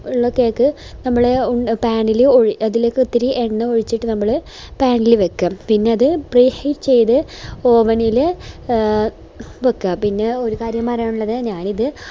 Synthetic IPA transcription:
uɭːokːejokːɨnɐmːɐɭeuɳpaːɳiloɻiɐðileːkːut̪ːiɾiʔeɳːɨoɻit͡ɕːiʈːɨnɐmːɐɭɨ | paːɳilɨʋekːɐpinːe̞ɐðɨbriːhiʈt͡ɕe̞jt̪ɨoːʋɐnilɨ | ʋekːɐpinːe̞o̞ɾukaːɾjɐmːaːɾaːɳuɭːɐðɨɲaːniðɨ

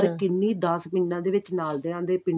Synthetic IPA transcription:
ɾkɪnːĩːd̪əsmɪnːãːd̪eːʋɪt͡ʃnaːld̪eːãːd̪eːpɪɳ

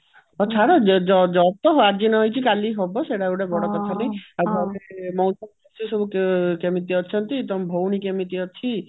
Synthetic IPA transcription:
ɔt͡ʃʰaɽɔd͡ʒɔd͡ʒɔd͡ʒɔt̪ɔɦoad͡ʒinɔjt͡ʃʰikaliɦɔbɔseɽaewɽabɔɽɔkɔt̪ʰanejabʱɔlemɔ̃wsɔnɔsisɔbukkemit̪iɔt͡ʃʰɔnt̪it̪ɔmbʱowñikemit̪iɔt͡ʃʰi

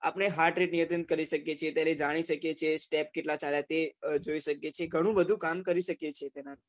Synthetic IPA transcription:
a̰pñeɦaɾʈɾiʈ̚nijət̪ənt̪̚kəɾiʃəkjet͡ʃʰet̪jaɾed͡ʒaɽ̃iʃəkjet͡ʃʰesʈep̚keʈlat͡ʃaljat̪ed͡ʒoiʃəkjet͡ʃʰeɡʱəɽ̃ũbəd̪ʱũkamkəɾiʃəkjet͡ʃʰet̪enat̪ʰi̥

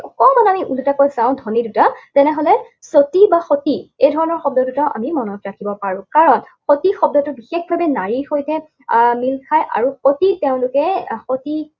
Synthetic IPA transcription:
ɔkɔmanamiʔulutakojzawʊ̃dʱɔnidutatɛnɛɦɔlɛ | sotibaxotiejdʱɔɹɔnɔɹxɔb̚dɔdutaʔa̰mimɔnɔtɹakʰibɔpaɹũkaɹɔnxotixɔb̚dɔtʊbixexbʱabɛnaɹixojtɛ | milkʰajʔa̰ɹuxotiteʊ̃lʊkɛxoti

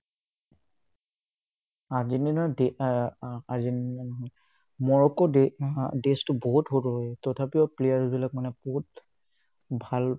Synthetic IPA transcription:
azinina | azinanɔɦɔj | mɔɹɔkɔ | destʊbɔɦutɦotɔɦɔjtɔtʰapiɔplejaɹsbilak̚manɛbɔɦut̚ | bʱal

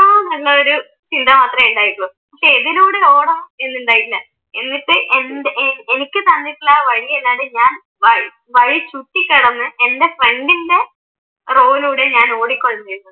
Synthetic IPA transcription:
aːnɐŋɭɐoɾu | t͡ɕind̪ʱɐmaːt̪rɐmeɳɖaːjiɾulːɐ | pɐkʂe̞ːðiluːɽeo̞ːɽɐme̞nːuɳɖaːjiʈilːɐ | e̞nːipːɨʔendʔenikʲːɨt̪ɐnːiʈːilːaʋɐɻijelːaːɽeɲaːn | ʋɐɻ | ʋɐɻit͡ɕuʈːikʲːɐɽɐnːɨe̞nde̞fre̞ɳɖinde̞ | ro̞ːluːɽeɲaːno̞ːɽikːoɭːɐmɐjɾunːɐ

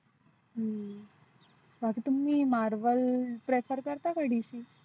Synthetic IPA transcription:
ɦə | bʱakit̪umːimaɾʋəlpɾefʰəɾkəɾt̪akəɽiʃi

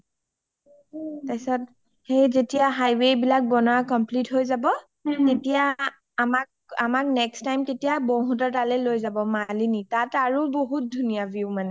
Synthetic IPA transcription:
tajsɔt̚ | hejzetijaɦajwebilak̚bɔnɔakɔmplitɦojzabɔ | tetijaː | mak̚ | amak̚nɛkstajmtetijaboɦutɔtalɛlojzabɔmalinitataɹuboɦut̚dʱunijabjumanɛ

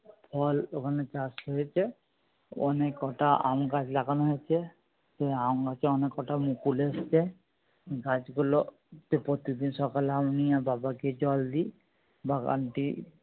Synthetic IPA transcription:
pʰɔlokʰanet͡ʃasɔet͡ʃʰe | ɔ̰nekːɔʈaʔa̰ũnɡad͡ʒlakanɦet͡ʃʰɛ | seaunɡat͡ʃɔnekːɔʈamukulest͡ʃʰɛ | ɡad͡ʒɡɔlɔ | t̪epɾɔt̪id̪insɔkalamnijababaked͡ʒɔld̪i | baka̰nʈi

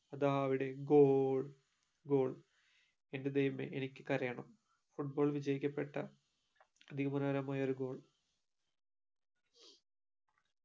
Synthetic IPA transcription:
ɐd̪aːɐɐʋiɽe̞ɡoːɭ | ɡo̞ːɭ | ended̪ɐjumḛʔenikʲːɨkɐɾɐjɐɳɐm | fuʈ̚boːɭʋid͡ʑɐjikʲːɐpːeʈːɐ | ɐd̪ʱiɣɐmunɐɐɾɐmaːjoɾuɡo̞ːɭ

